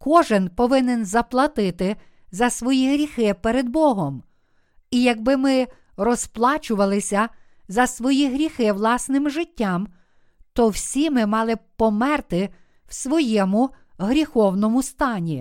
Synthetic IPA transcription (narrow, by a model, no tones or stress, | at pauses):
kɔʒɪnpɔʋɪnenzɐplˠɐt̪ɪt̪ɪ | zɐsʋɔjiɦɾʲixɪpeɾed̪̚bɔɦɔm | ijɐɡ̚bɪmɪ | rɔsplˠɑt͡ʃʊʋɐlˠɪsʲɐ | zɐsʋɔjiɦɾʲixɪʋlˠɑsnɪmʒɪtʲːɑm | t̪ɔwsʲimɪmɑlˠɪpɔmɛrt̪ɪ | wsʋɔjɛmʊ | ɦɾʲixɔwnɔmʊst̪ɑnʲi